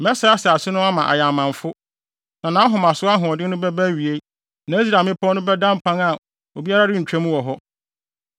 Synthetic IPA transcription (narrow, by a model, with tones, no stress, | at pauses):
mɛ˦sa˨˦a˦sɛ˨a˨sɪ˦nʊ̃˦a˦mã˨ʔa̰˨ja˨mã˨ɱfʊ˦ | nã˨nãː˨˦ɦɔ̃˨mã˨sʊ˦a˦ɦʊ̃˨ɔ˨dɪ˦nʊ̃˦bɛ˦bæ˦ɥi˨e˦ | nã˨˦e˦s̬ɾa˨mɪ̃˦pʰɔ˦nʊ̃˦bɛ˦dã˦m˦pʰã˦ŋa˨ | o˨bi˦a˦ɾa˦ɾɪ˦ɲ̩˨t͡ɕᶣæ˦mũ˦wɔ˨ɦɔ˦